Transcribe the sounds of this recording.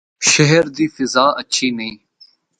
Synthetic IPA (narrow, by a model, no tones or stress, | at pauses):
ʃəɦəɾd̪iːfɪzaːətːʃʰiːnəĩː